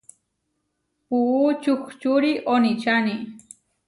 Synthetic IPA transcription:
puːt͡ʃʊxt͡ʃuɾiʔonit͡ʃani

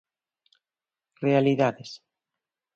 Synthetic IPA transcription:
realiðaðes

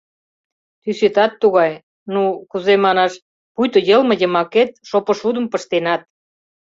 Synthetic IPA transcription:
t̪yset̪ɑt̪ːuɣɑj | nukuzemɑnɑʃ | pujt̪ŏjəlmə̆jə̆mɑket̪̚ʃopə̆ʃud̪ə̆mpə̆ʃt̪enɑt̪̚

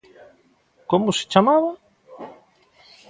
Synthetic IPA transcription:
komʊse̥t͡ʃamaβa

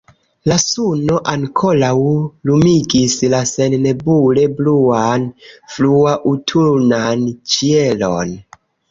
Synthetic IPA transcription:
lasuno̞ʔaŋkʰolawlumiɡislasennebulebluanfluaʔutʰuɾnant͡ʃielo̰n

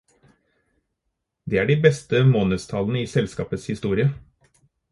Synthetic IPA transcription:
d̪eːæːɖiːbɛst̪əmoːnəst̪ʰɑln̩əiːsɛlskɑːpət̪shɪst̪uːɾɪə

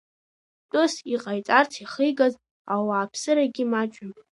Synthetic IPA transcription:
tʼʊsiqʼajt͡sʼartʰiχəjɡaz | awaːpʰsɨɾaɡʲimat͡ʃʷʼɪm

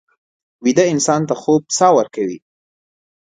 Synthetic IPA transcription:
wid̪aɪnsɑnt̪axob̚sɑwəɾkawḭ

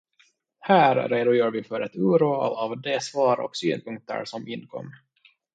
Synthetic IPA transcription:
hæːɾɾeːd̪ʊjœːɾvɪfœɾɛt̪ʉːɾṵːavd̪esvɑːɾɔ̰ksy̰ːnpʰɵŋk̚t̪ə̰ɾsɔmɪnːkʰɔ̰mː

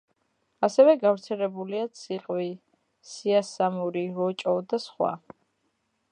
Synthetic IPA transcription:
asɛvɛɡavɾt̪sʰɛlɛbuliat̪sʰiqʼwi | siasamuɾiɾɔt͡ʃʼɔd̪asχwa̰

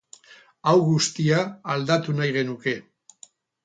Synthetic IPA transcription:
awɣust̪iaːld̪at̪unajɣe̞nuke̞

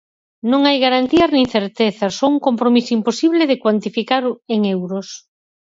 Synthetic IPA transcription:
nõŋajɣaɾant̪iɐznĩŋθeɾt̪eθɐsouŋkompɾomisoimposiβleðekwant̪ifikaɾoeŋewɾos

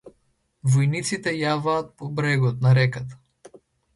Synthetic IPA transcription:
vɔjnit̪sit̪ɛjavaːt̪̚pɔbɾɛɡɔt̪naɾɛkat̪ḁ

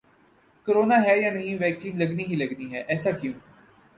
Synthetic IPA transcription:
kəɾoːnaːɦɛːjãːnəɦĩːʋɛːksiːnləɡniːɦiːləɡniːɦɛːʔɛːsaːkɪjõː

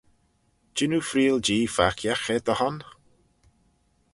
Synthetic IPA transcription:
d͡ʒɪnufɾiːld͡ʒiːfakʰjaxɛd̪əhɔn

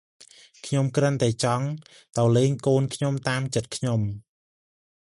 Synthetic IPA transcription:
kʰɲomkrənt̪aɛt͡ɕɑŋ | t̪ɑwleːŋkoːnkʰɲomt̪aːmt͡ɕət̪̚kʰɲom

